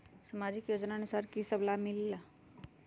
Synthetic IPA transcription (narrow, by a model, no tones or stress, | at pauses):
səmaːd͡ʒɪkjoːd͡ʒnaənusaːɾkisəblamɪlːa